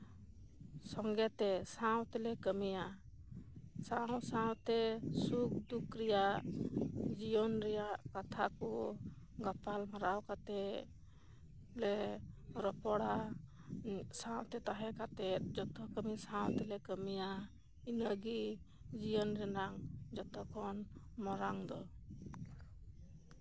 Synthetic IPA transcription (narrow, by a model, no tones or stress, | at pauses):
sɔŋɡɛt̪ɛsaw̃t̪ɛlɛkəmija | sawsaw̃t̪ɛsuk̚d̪ukɾijaʔʔ | d͡ʒijɔnɾɛjaʔkat̪ʰakɔ | ɡapalmaɾawkat̪ɛ | lɛɾɔpɔɽa | sãw̃t̪ɛt̪aɦɛ̃kat̪ɛt̪̚d͡ʒɔt̪ɔkəmisawt̪ɛlɛkəmija | inəɡi | d͡ʒijɔnɾɛnaŋd͡ʒɔt̪ɔkʰɔn | mɔɾaŋd̪ɔ